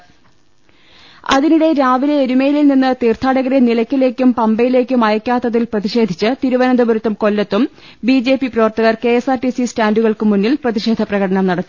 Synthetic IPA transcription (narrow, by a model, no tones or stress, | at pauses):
ɐ̰ðiniɽe̞ɾaːʋileːɾumejililninːɨt̪iːrt̪ʰaːɽɐɣɐɾenilɐkʲːile̞ːkʲːumpɐmbɐjile̞ːkʲːumɐjɐkʲːaːt̪ːɐðilprɐðiʂe̞ːd̪ʱit͡ɕːɨt̪iɾuʋɐnɐnd̪ɐbɐɾut̪ːumko̞lːɐt̪ːum | bid͡ʑe̞ːpiprɐʋɐrt̪ɐɣɐrke̞esaːrʈisistaːnduɣɐɭkɨmunːilprɐðiʂe̞ːd̪ʱɐprɐɣɐɽɐnɐmnɐɽɐt̪ːu